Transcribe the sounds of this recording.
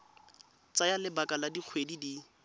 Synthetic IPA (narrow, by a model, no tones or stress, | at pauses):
t͡sajalɪbakaladik͡xʰwedidi